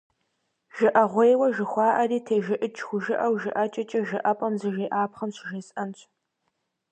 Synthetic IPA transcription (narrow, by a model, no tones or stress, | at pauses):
ʒ̥ɨʔɐʁʷejwɐʒɪxʷɑːʔɐriːtʰeːʒɪʔət͡ʃʰʼxʷʊʒɨʔɐwʒɪʔɐt͡ʃʼɐt͡ʃʼɐʒɨʔɐpʼɐmzɨʒeːʔaːpχɐmɕʒesɐnt͡ʃʷʼʰ